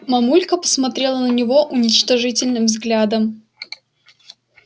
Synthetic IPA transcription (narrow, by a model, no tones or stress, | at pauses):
mɐmulʲkəpə̥smɐt̪ɾʲe̞lˠənənʲɪvo̞ʔʊnʲɪt͡ɕt̪ɐʐɨtʲɪlʲnɨmvzɡlʲad̪əm